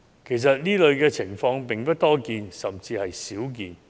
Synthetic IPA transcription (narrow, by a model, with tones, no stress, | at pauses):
kʰe˨˩js̬ɐ˨t̚niː˥lɵ˨˧ɥkɛː˧t͡sʰɪ˨˩ŋfɔː˧ŋpɪ˨ŋpɐ˥t̚t̪ɔː˥kiː˨˧nsɐ˨˩mt͡siː˧hɐ˨jsiː˨˥wk̬ḭː˧n